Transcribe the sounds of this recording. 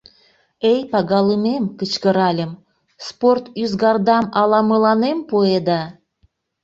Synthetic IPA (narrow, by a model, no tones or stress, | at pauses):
ejpɑɣɑləmemkət͡ɕkəɾɑlʲəm | sport̪yzɣɑrd̪ɑmɑlɑməlɑnempued̪ɑ